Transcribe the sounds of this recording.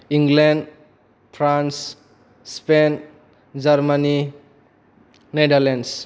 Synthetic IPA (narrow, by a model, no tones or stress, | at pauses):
iŋɡlenɖ | pʰɾans | spen | d͡ʒaɾmani | nedaɾlens